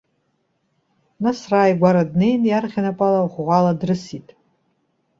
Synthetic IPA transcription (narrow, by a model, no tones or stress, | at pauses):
nasraːjɡʷaɾadne̞jnjarχʲanapʷʼalaʁʷʁʷaladrɨsitʼ